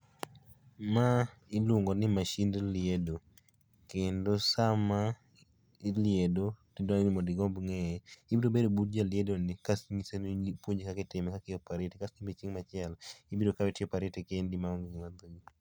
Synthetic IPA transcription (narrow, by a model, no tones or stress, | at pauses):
ma | ɪluŋɡɔnɪmaʃindlɪedo | kendosama | ɪlɪedotɪdɔnnɪmodɪɡɔmbŋɛɛɪbidobedobut̚d͡ʒaljedonɪkasɲisenipwoɲd͡ʒekakɪtɪmɛkakɪjɔpaɾetekasnibet͡ʃiŋmat͡ʃɪɛlɪbidokawɛtɪɔpaɾetɛkendimaŋɡiŋmad̪oi